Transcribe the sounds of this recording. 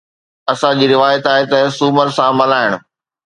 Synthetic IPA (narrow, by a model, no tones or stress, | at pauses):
ɐsãd͡ʑiːɾɪʋaːjət̪aːɦet̪ɐsuːməɾsãmɐlaːɪɽ̃ʊ̆